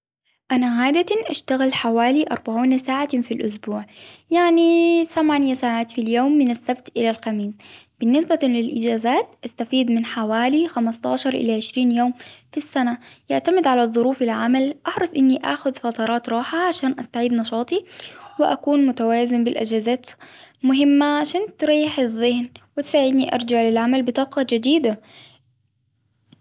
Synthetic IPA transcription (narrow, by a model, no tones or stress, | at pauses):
ʔanaʕaːd̪aʔaʃt̪aɣaɪlħawaːliʔɑ̰ɾˤbaʕiːnasaːʕafilʔʊsbuːʕjaʕniθamaːnjasaːʕaːt̪filjoːmːɪnasːabt̪ʔɪlalxamiːs | b̥ɪnːɪsbalɪlʔɪd͡ʒaːzaːt̪̚ʔast̪afiːd̪mɪnħawaːlixamɑst̪ˤɑ̰ːʃɑɾˤʔɪ̰laʕɪʃɾiːnjoːmfisːanajaʕt̪amɪd̪ʕalaðˤʊɾuːfɪlʕamalʔɑħɾˤɑsˤʔɪnːiʔa̰xʊðfɑt̪ˤɑɾˤɑːt̪ɾˤɑːħaʕaʃaːnʔa̰st̪aʕiːd̪nɑʃɑːt̪ˤiwɪʔakuːnmʊt̪awaːzɪmbɪlʔɪ̰d͡ʒazaːt̪mʊɦɪmːaʕaʃaːnt̪ɾɑjːɪħɪðˤːɪhnwɪt̪saːʕɪd̪niʔɑ̰ɾˤd͡ʒaʕlɪlʕamalbɪt̪ˤɑːqɑd͡ʒɪd̪iːd̪a